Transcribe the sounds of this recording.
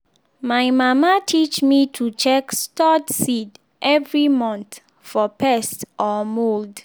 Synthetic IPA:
majmamatʰit͡ʃmitʰut͡ʃɛkstɔdsid | ʔɛvɹimɔ̃nθ | fɔpʰɛstɔmold

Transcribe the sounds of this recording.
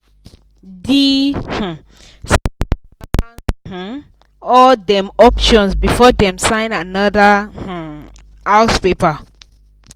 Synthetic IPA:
dih̩ | s | ɔdɛ̃mɔpʃɔ̃nsbifɔdɛ̃msãɪ̃nanadəh̩ | haʊspepa

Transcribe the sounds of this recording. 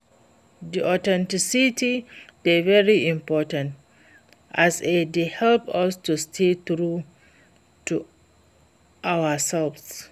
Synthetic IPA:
d̪iʔɔtɛ̃ntisitid̥ɛvɛɹiɪ̃mpɔtãnt | ʔasedehɛlpɔstustʰetɹu | tu | ʔawəsɛlfs

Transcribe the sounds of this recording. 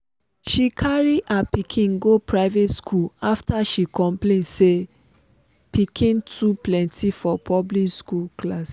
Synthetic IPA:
ʃikʰaɹiapikʰĩnɡopɹaɪvetskʰulaftaʃikɔ̃mplẽnse | pikʰĩntʰuplɛ̃ntʰifɔpʰɔblikskulklas

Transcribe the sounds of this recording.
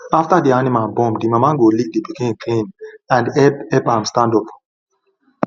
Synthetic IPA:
aftadianimalbɔ̃mdimamãɡolik̚dipikĩnkʰĩnãndɛpɛpãmstãndɔp

